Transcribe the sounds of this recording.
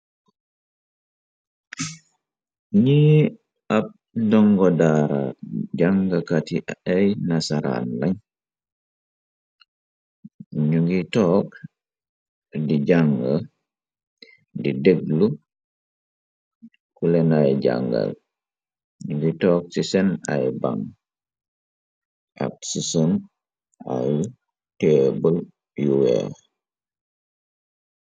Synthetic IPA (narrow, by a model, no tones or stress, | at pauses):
ɲiː | ɐp̚ | dɔŋɡɔdaːɾa̰ɟaŋɡɐkatiɐjnasaɾa̰nlɐɲ | ɲuŋɡitɔːk̚ | diɟaŋɡa | dideɡ̚lu | kulɛnajɟa̰ŋɡa̰l | ɲuɡitɔːk̚sisɛna̰jba̰ŋ | a̰k̚susun | a̰j | tɛbəl | juwɛ̰ɾ